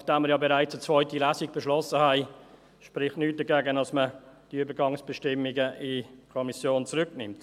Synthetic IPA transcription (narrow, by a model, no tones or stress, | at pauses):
nɑχd̥aːməɾjɑːbeɾaɪt͡sət͡svɔʏtilæːsiɡ̚b̥ɛʃlɔsəhæɪ | ʃpɾɪχtnyːt̚d̥əɡɛːɡənɑsməd̥iyːbəɾɡɑŋsb̥ɛʃtɪmːiɡəʔɪkʰɔmisjoːnt͡sɾʏknɪmt